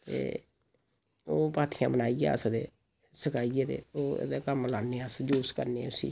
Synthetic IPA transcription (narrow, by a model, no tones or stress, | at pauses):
t̪ḛː | oːpaːt̪ʰɪjãːbənaːiːa̰ːəsd̪eː | səkaːiːeːd̪ḛːo̰ːd̪aːkəmlaːnːeːəsd͡ʒuːskəɾneːʊsḭː